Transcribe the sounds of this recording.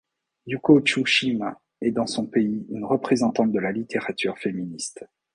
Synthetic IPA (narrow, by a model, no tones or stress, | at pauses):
jukot͡ʃuʃima | ɛd̪ɑ̃sɔ̃peiynʁəpχezɑ̃t̪ɑ̃t̪̚d̪əlalit̪ʰeʁat̪yʁfeminist̪